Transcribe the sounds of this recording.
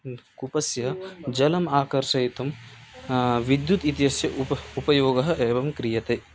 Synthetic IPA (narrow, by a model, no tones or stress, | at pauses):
kupɐsjɐɦd͡ʒɐlɐmaːkɐɾʂɐjt̪ɐm | ʋid̪jut̪it̪jɐsjɐʔuupɐjoːɡɐɦɐ̆ʔeːbɐmkɾijɐt̪ɐː